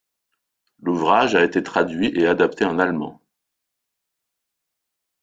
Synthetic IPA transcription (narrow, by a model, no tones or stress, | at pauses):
luvʁaʒaet̪et̪χad̪ɥiʔead̪apt̪eɑ̃nalmɑ̰̃